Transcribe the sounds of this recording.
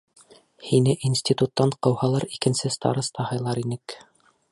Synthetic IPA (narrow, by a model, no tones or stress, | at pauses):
hinɘʔinsʲt̪ʲit̪ut̪ːɑɴqɤ̆whɑlˠɤɾikɘ̆nsɘst̪ɑ̰ɾɤst̪ʰɑhɑjlˠɑɾinɘk